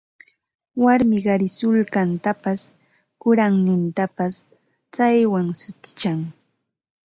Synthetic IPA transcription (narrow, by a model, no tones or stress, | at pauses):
waɾmɪɢɑɾɪsʊlkant̪apas | kʊɾaŋnɪnt̪apas | t͡sajwaŋsʊt̪ɪ̥t͡ʃaŋ